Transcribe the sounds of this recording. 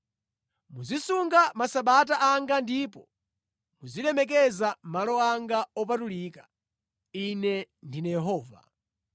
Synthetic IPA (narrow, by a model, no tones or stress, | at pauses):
muzisuŋɡamasaɓat̬aʔaŋɡandiːpɔ | muzilɛmɛk̬ɛzamalɔaŋɡaɔp̬atuliːkḁ | inɛndinajɛɦɔːva̰